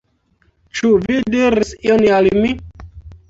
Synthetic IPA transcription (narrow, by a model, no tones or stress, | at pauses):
t͡ʃuvidiɾisionalmi